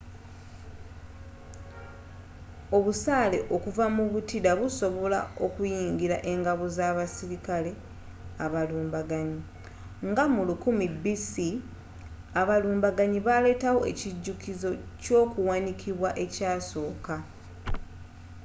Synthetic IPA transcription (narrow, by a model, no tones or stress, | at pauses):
o̞βusaːle̞ʔo̞kuvamuβutidaβuso̞βo̞lao̞kujiːŋɟiɾa̰ʔe̞ŋɡaβozaβasiɾikale̞ | aβaluːmbaɡaɲi | ŋɡamulukumibisi | aβaluːmbaɡaɲiβale̞ːtawo̞e̞̰ciɟːukizo̞co̞ːkuwanikʰiβwaʔe̞caːso̞ːka